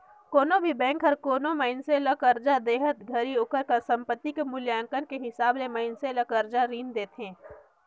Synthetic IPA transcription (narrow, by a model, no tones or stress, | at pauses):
koːnobʱibɛ̃ːŋkɦəɾkoːnoməɪnselɐkəɾd͡ʒad̪eːɦət̪ɡʱɐɾiʊkəɾkasɐ̃mpət̪ːikemʊljaːŋkənkeɦɪsaːblemɐɪnselɐkəɾd͡ʒaɾiːnd̪eːt̪ɦɛ̃ː